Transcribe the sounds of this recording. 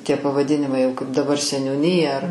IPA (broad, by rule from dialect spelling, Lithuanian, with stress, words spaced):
tʲiɛ pɐʋɐˈdʲɪnʲɪmɐɪ jɛʊ kɐɪp dɐˈbɐr sʲɛnʲuːˈnʲiːjɛ ɐr